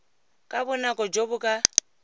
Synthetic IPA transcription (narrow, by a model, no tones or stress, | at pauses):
kʼaβʊnakʼɔd͡ʒoβʊkʼa